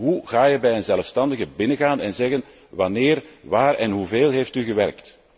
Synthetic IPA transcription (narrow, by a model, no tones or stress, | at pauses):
ɦuɣaːjəbɛjənzɛləfstɑndəɣəbɪnəɣaːnɛnzɛɣən | ʋɑnɪːrʋaːrɛnɦuveːlˠɦejftyɣəʋɛrkt